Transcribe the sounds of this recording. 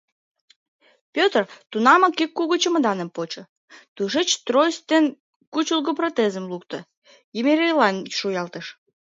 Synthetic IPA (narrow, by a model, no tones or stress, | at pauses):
pʲøt̪rt̪unɑməkikːuɣot͡ɕə̆mə̆d̪ɑnə̆mpot͡ɕɤ̆ | t̪uʒet͡ɕt̪rojst̪en | kut͡ɕulˠɡoprot̪ezə̆mlukt̪ə̆ | jemeɾejlɑnʲʃujɑlt̪ə̆ʃ